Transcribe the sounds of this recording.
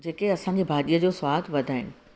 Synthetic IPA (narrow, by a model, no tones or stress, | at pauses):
d͡ʑeːkeɐsãːɲd͡ʑiːbʱaːɗijəd͡ʑoːswaːd̪ʋɐd̪ʱaːɪnɪ̆